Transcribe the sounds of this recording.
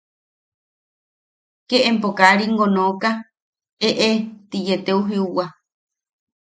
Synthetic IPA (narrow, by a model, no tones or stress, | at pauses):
keʔempokaɾiŋɡonoka | eʔet̪ijet̪euɦiuwa